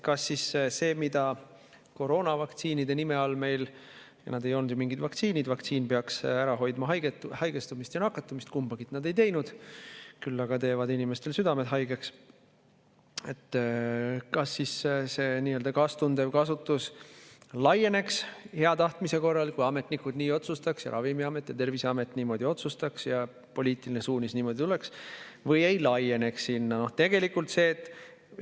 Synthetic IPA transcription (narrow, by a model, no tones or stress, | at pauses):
kɑsːisse̞ːmid̪̥ɑ | ko̞ɾo̞ːnɑvɑkt̪siːnid̪e̞nimeolme̞jljɑ̰nɑd̪e̞jo̞lnud̪jomiŋɡid̪vɑkt̪siːnid̪vɑkt̪siːnpeɑksæɾɑɦo̞jd̪̥mɑɦɑjɡet̪hɑjɡest̪umist̪jɑnɑkːˑɑt̪ːˑumist̪kumbɑɡ̥it̪nɑd̪e̞jt̪e̞jnud̪̥kylːɑɡ̥ɑt̪e̞ːvɑd̪inime̞st̪e̞lsyd̪ɑmed̪ɦɑjɡ̥eks | e̞t̪ːˑ | kɑsːisse̞niːøld̪ɑkɑːst̪und̪evkɑsut̪ːˑus | lɑje̞ne̞kshe̞ɑt̪ɑht̪mise̞ko̞rːɑlkujɑme̞t̪ˑnikud̪̥niːo̞t̪sust̪ɑksjɑ̰ɾʔɑ̰vimiɑme̞t̪ːˑjɑ̰t̪e̞rvisɑme̞t̪ːˑniːmo̞d̪̥ʲio̞t̪sust̪ɑksjɑ | po̞liːt̪ˑiline̞suːnisniːmo̞d̪̥ʲit̪uleksvɤje̞jlɑje̞ne̞ksːinːɑno̞t̪e̞ɡ̥e̞likːˑult̪se̞ːt̪ːˑ